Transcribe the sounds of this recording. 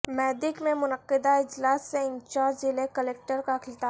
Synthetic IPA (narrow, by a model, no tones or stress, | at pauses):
mɛːd̪ɪkmẽmʊnəqːɪd̪aɪd͡ʒlaːsːeɪ̃nt͡ʃaːd͡ʒzɪlekəleːk̚ʈəɾkaxʰɪlt̪aː